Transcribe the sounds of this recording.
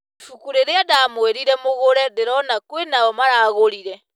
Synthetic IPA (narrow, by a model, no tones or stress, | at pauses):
fukuɾeɾeadamweɾiɾɛmoɣoɾɛdeɾɔnakwenaɔmaɾaːɣoɾiɾɛ